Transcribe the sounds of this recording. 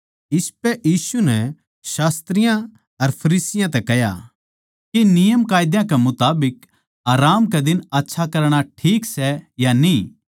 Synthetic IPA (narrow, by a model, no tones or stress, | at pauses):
ɪspɛʔjiːsunɛ | ʃaːst̪ɾɪjã | ɐɾpʰɐɾiːsɪjãt̪ɛkɛɦja̰ | kinɪjəmkaːjɪd̪jãkɛmʊt̪aːbɪk | aːɾaːmkɛd̪ɪnɐtːʃʰakɐɾɽ̃aʈʰiːksɛjanĩː